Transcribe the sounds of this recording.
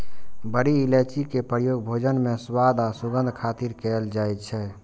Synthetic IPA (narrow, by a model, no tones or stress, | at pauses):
bəɾiːlet͡ʃikepɾəɾjoɡ̚bʱod͡ʒənmeswad̪ʱasuɡənd̪ʱkʰat̪iɾkɛld͡ʒajt̪̚t͡ʃʰɛ